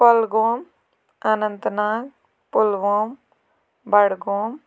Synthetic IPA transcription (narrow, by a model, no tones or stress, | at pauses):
pɔlɡoːm | anənt̪naːk̚ | pʊlʋoːm | bɐɽɡoːm